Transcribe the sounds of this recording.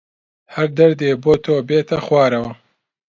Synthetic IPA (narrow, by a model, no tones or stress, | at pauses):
hɐɾd̪ɐɾd̪eːboːt̪ʰoːbeːt̪ɐxwɑːɾɐwɐ